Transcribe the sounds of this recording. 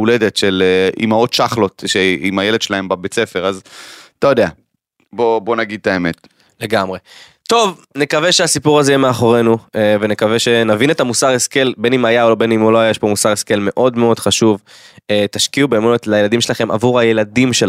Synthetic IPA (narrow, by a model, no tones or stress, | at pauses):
uled̪etʃeleḭmao̞tʃaχlo̞tʃeimajeled̪ʃelae̞mbabet͡se̞fe̞ʁazt̪ajod̪ea | bobo̞naɡid̪̚tae̞me̞t̪ | le̞ɡamʁe̞ | t̪o̞vne̞kaveʃeasipuʁazejemeaχoʁe̞nueve̞nekave̞ʃe̞navine̞t̪amusaʁeske̞lbe̞nimajaolobe̞nimoloajaeʃpo̞musaʁeske̞lme̞ʔo̞d̪meo̞d̪χaʃuvet̪aʃkiubemunetlaje̞lad̪imʃelaχe̞mʔa̰vuʁaje̞ladimʃel